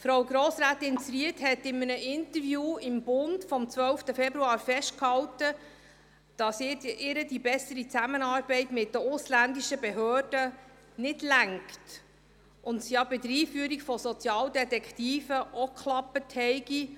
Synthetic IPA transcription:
fɾawɡɾɔːsɾaːtɪnsɾiəthɛtɪmənəʔɪnt̪əɾvjuːɪmb̥ʊndfɔmt͡sʋœlftəfɛbɾuɑːɾfɛʃt̚khɑwtə | d̥ɑsɪɪɾədibɛsəɾit͡sæmənɑːɾbɛɪtmɪt̚dəʊslændiʃəbɛɦøːrd̥ə | nɪdlæŋkt | ʊntsjɑbɪdəɾiːfyəɾikfɔsɔt͡sjɑːldɛtɛkχtiːfəʔɔkʰlɑpːəthɛɪɡ̥i

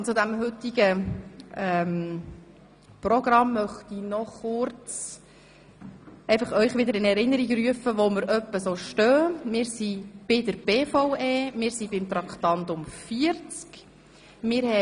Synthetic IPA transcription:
ʊt͡sʊd̪æmɦʏtiɡə | ɛm | prɔɡɾɑmːœχt̪inɔχʊɾt͡s | ɛɪfɑχœʏχʋɪd̪əɾɪnɛɾɪnːəɾiɡryəfəʋoməɾʔœpːəsoːʃtœːmɪːɾsib̥ɪd̪əɾb̥eːfɔʊweːmɪːɾsibɪmt̪ɾɑkχt̪ɑntʊmfiəɾt͡sk | mɪːɾhɛ

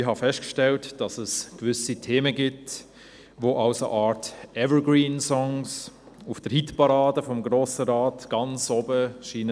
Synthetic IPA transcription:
ɪɦɑfɛstkʃtɛltd̥ɑsəskʋʏsitʰeːməɡɪt | ʋoːʔɑʊsə̰ʔɑːɾtɛvəɡɹiːnsɔŋs | ufd̥əɾhitpɑɾɑːdəfɔmɡɾoːsəɾɑːtɡ̥ɑnt͡sobəʃiːnə

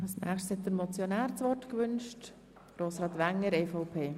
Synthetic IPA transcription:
ɑlsnæ̰ːχʃtshɛt̪̚dəɾmɔt͡sjɔnæːɾt͡sʋɔtkʋʏnʃt | ɾoːsɾɑːt̪ʋæŋːəɾɛfɔʊpʰeː

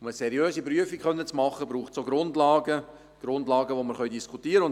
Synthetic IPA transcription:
məsɛɾjøːsipɾyəfikχœnːət͡smɑχːəbɾuːχtsoɡɾʊndlɑːɡə | ɡ̥ɾʊndlɑːɡəʋoməɾχœɥdiskʰutiːəɾəʊn

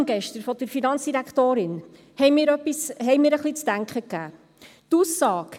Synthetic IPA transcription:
ŋɡɛʃtəɾfɔd̥əɾfinɑnt͡ssd̥iɾækχt̪oːɾɪn | hɛjmiːɾœpːishɛɪmɪːɾəχlit͡sd̥æŋkχəkːæː | tusːɑːk

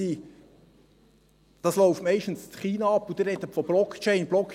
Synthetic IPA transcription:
i | d̥ɑsloʊftmɛɪʃtn̩st͡sχiːnɑɑpːʊd̪ɪɾɛd̪əfɔb̥lɔkt͡ʃeɪnblɔk

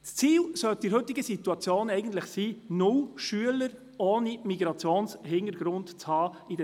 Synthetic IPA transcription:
t͡st͡siːlsœlt̚d̥iːɾhɵtːɪɡəsituɑt͡sjoːnɛɪɡən̩t̪ləχsiːnʊlʃyələɾ | ɔːnimiɡɾɑt͡sjoːnshɪnəɾɡɾʊntt͡shɑːidɛ

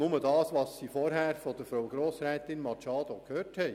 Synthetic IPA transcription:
nʊmədɑːsʋɑːsːiːfɔɾɦæːɾfɔd̪əfɾowɡɾoːsɾɛːt̪ɪnmɑt͡ʃɑːd̥̪ɔkʰhøːthɛɪ

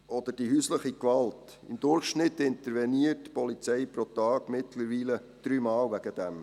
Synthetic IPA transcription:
ɔd̪əɾd̥ihyːsləχikʋɑlt | ɪ̰md̪ʊrχʃnɪtɪnt̪əɾvɛniətpɔlit͡sɛɪpɾɔt̪ɑːɡ̥mɪtləɾʋiːlə | d̥ɾyːmɑːlvæɡəd̥̪æm

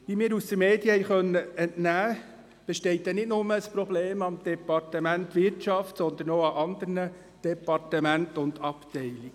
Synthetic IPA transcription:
ʋiːmiːɾusd̪əmeːd̥jəhɛjχœnːəɛntnæː | b̥ɛʃtɛɪt̚dɛnɪtnʊməəsprɔbleːmɑmd̥ɛpɑrtəmæntʋɪɾtʃɑftsɔnd̪ənoːɑʔɑnd̪əɾnə | d̥ɛpɑrtəmæntʊnd̥ɑptɛɪliɡ

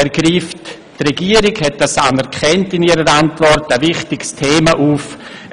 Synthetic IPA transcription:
ɛɾɡɾiːft | trɛɡiːəɾɪɡhɛt̚d̥asanɛɾkχɛntɪniːɾəɾantvɔrtəvɪχtɪɡstʰeːmaʔuːf

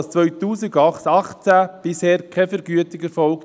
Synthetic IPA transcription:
st͡sʋœɥtuːsɪɡɑχɑχt͡sæb̥ɪsheːɾkʰɛfəɾɡyətɪɡɛɾfɔlk

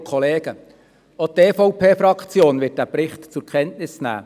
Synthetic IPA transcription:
kʰɔleːɡə | ɔteːfɔwpʰeːfɾɑkt͡sjoːnʋɪt̚d̥æːpɾɪχtt͡sʊɾkʰɛntnɪsnæ̰ː

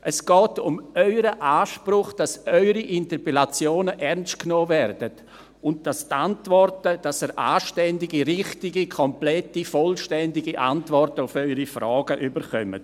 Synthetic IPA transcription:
ʔɛsɡ̥ɔːtʊmœʏɾəʔaːʃpɾʊχd̥asœʏɾiʔɪntəpɛlat͡sjoːnəʔɛɾnst̚knoːvɛrd̥ət | ʊnt̚d̥astantvɔrtəd̥asəɾʔa̰ːʃtɛndɪɡiɾɪχtɪɡikʰɔmplɛtifɔlʃtɛndɪɡiʔa̰ntvɔrtəʊfœʏɾifrɔːɡəʔybəɾχœmə̰t

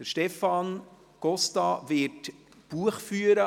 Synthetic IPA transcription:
d̥əʃtɛfɑn | ɡ̥ɔst̪ɑvɪt | b̥uəχfyːəɾə

